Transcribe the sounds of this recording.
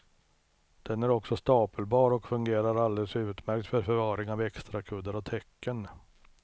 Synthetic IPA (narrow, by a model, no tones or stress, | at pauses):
d̪̥ɛnæɾɔksɔst̪ɑːpəlbɑːɾɔkfɵŋɡeːɾaɾald̪eːləsʉ̟ːt̪mæɾkt̪fœɾfœɾvɑːɾɪŋɑvɛkst̪ɾakʰɵd̪ːəɾɔt̪ʰɛkːən